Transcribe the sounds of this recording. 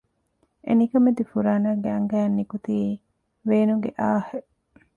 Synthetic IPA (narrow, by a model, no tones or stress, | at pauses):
ʔḛnikɐmed̪ifuɾaːnaːɡeɐŋɡæːɐnːikut̪iː | ʋeːnuŋɡeʔaːhe